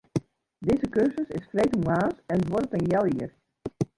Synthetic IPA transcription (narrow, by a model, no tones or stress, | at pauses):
dɪzəkøɹsəsɪsfrejtuaːsɛntʋɔrətənjɛlˠiər